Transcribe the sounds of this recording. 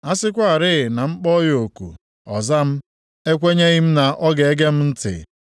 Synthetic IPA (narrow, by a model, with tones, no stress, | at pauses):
a˦sɪ˦kʷa˦a˨ɾɪ˦ɪ˨na˨ŋ͡m̩˦k͡pɔ˦jo˨kṵ˨ | ɔ̰˨za˦m̩˦ | e˦kʷe˦ɲe˦ɣi˦m̩˦na˨ʔɔ˦ɡe˨e˦ɡe˦m̩˦n̩˦tɪ̰˨